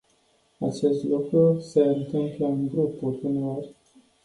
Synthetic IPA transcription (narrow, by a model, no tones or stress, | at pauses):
at͡ʃe̞st̪lukɾuseɨnt̪ɨmpleɨnɡɾupulʲuneorʲ